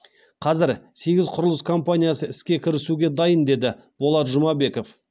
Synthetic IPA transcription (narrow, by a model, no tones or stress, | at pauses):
qʰɑzɪɾse̞ɡʲɪzqʰʊɾʊlˠəskʰo̞mpanʲijasəɪskʲe̞kʲʰɪɾɪsuɡʲe̞d̪ɑjənd̪e̞d̪ɪ | bo̞lˠɑt̪ʒʊmɑbe̞ko̞f